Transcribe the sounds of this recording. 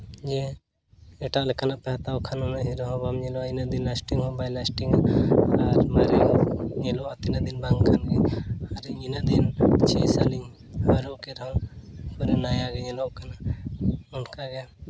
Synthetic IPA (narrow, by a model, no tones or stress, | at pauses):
d͡ʒɛ | ɛʈaʔlɛkanaʔpɛɦat̪awkʰanɔnaɦiɾɔɦɔ̃bamɲɛlɔainad̪inlasʈiŋhɔ̃bajlasʈiŋaaɾmaɾɛɲɛlɔʔat̪inad̪inbaŋkʰanɡɛaɾɛɲinad̪int͡ʃʰɛjsaliɲ | haɾɔkɛɾãkɔɾɛnajaɡɛɲɛlɔʔkana | ɔnkaɡɛja